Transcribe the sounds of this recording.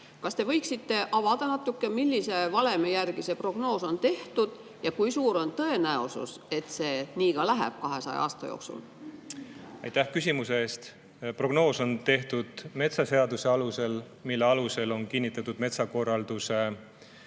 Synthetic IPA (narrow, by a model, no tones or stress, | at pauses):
kɑst̪e̞vɤ̞jksit̪ːe̞ʔɑvɑd̪̥ɑnɑt̪ːˑukːe̞milʲːise̞vɑle̞mejærɡ̥ise̞pro̞ɡ̥no̞ːso̞nt̪e̞ht̪ud̪̥ | jɑkujsuːɾo̞nt̪ɤ̞e̞næosṵse̞t̪se̞ːniːɡ̥ɑlæɦæ̰b̥̚kɑɦe̞sɑ̰j̰ɑ̰ːst̪ɑ̰jo̰ːksṵl | ɑjt̪ːæhkysʲimuseeːst̪ | pro̞ɡ̥no̞ːso̞nt̪e̞ht̪ud̪̥me̞t̪sɑse̞ɑd̪use̞ɑluse̞l | milːeɑluse̞lo̞nkinʲːit̪ːˑɑt̪ːud̪me̞t̪sɑko̞rːɑld̪̥use̞